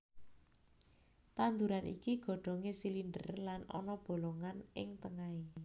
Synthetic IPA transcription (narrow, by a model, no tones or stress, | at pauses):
t̪and̪uɾanʔḭkiɡ̥ɔ̤ɖ̪̥ɔ̤ŋesilinɖə̰rlanɔ̰nɔb̥o̤loŋanɪŋt̪əŋai